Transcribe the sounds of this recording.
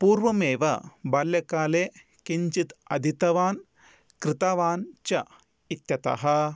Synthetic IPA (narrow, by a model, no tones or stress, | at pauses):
puːɾʋɐmeːʋɐ̰bɐljɐkaːleː | kiɲt͡ʃit̪ɐd̪ʱit̪ɐʋaːn | kɾɪt̪aʋaːnt͡ʃɐ | it̪jɐt̪ɐ̰ɦɐ